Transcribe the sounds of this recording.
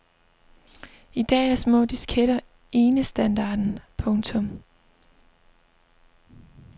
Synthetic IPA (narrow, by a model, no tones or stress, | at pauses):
id̥ɛ̰ːæɐsmɔ̰̽ːd̥isɡ̥ʰeɾ̥ɐ | e̝ːnəsd̥ænd̥ɑ̰̈ːd̥n̩pʰɔ̽ŋt͡sʰɔ̽m